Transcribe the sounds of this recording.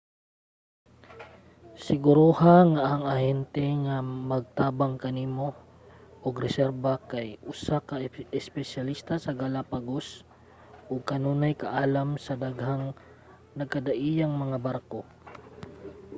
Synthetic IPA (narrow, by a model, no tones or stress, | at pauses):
sɪɡʊɾohaŋaʔːŋɐhɛnt̪ɛŋamɐɡ̚t̪aːbaŋkɐniːmo̞ | ʔoɡɾɛsɛɾbɐkajʔʊsakɐɪspɛsɐlist̪asɐɡalapaɡos | ʔoɡ̚kɐnuːnɐjkɐʔaːlɐmsɐd̪ɐɡhaŋ | nɐɡ̚kɐd̪ɐʔiːjaŋmɐŋabaɾko